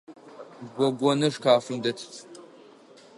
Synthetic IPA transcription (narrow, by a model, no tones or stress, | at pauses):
ɡʷɔɡʷɔnɐʂkʰaːfɨmdɐtʰ